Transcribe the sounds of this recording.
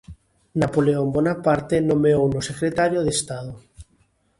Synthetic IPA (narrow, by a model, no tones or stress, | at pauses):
napoleombɔnapaɾt̪enõmeownosekɾet̪aɾjoðest̪aðo